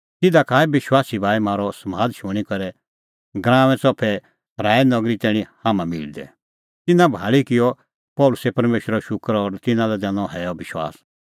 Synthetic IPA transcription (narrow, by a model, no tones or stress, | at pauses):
t̪ɪd̪akaːɛbɪʃwaːsibaːimaːɾɔsmaːd̪ʃʊɽ̃ikɐɾɛ | ɡɾãːʋɛ̃t͡sɔpʰɛ | ɾaːɛnɐɡɾit̪ɛːɽ̃ĩhaːmãmɪ̰ld̪ɛ̰ | t̪ɪnãbʱaːɭikɪjɔ | pɔːlʊsɛpɐɾmeːʃɾɔʃʊkəɾɔɾt̪ɪnãlɛd̪ɛ̃nɔ̃ɦɛjɔbɪʃwa̰ːs